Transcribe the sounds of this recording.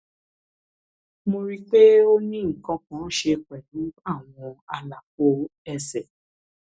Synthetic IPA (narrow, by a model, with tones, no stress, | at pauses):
mo˧ɾi˦k͡pe˦o˦nĩ˦ŋ̩˨kã˧kã˨˦ʃe˧k͡pɛ˨lũ˨˦a˦˨w̃ɔ̃˧a˧la˨k͡po˨˦ɛ˧sɛ˨